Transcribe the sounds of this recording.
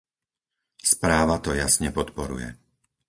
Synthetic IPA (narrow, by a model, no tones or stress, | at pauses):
spɾaːʋat̪ɔjasɲɛpɔt̪pɔɾṵjɛ̰